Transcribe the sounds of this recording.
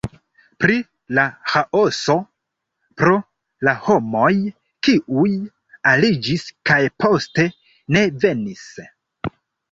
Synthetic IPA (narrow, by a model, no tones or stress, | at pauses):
pɾi | lahaʔo̞so̞ | pɾo̞ | laho̞mo̞j | kiʔuj | alid͡ʒiskajpo̞ste̞ | ne̞ve̞nis